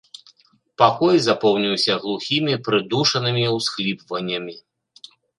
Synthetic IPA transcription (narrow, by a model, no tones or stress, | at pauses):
paxɔjzapɔwnʲiwsʲɐɣlˠuxʲimʲipɾɨd̪uʂɐnɨmʲiwsxlʲipvɐnʲːɐmʲi